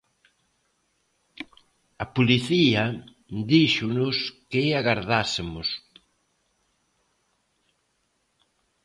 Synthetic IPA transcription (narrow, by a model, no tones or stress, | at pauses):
ɐpoliθiɐ | d̪iʃʊnʊskɪaɣaɾðasemʊs